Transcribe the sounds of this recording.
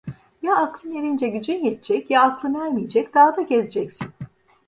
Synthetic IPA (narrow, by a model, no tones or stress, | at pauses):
jaːklˠɯnjeɾind͡ʒɛɟyd͡ʒynjɛt̪ʰd͡ʒɛcjaːklˠɯnæɾmijed͡ʒɛc̚d̪̥aɦad̪aɟɛzd͡ʒɛcsin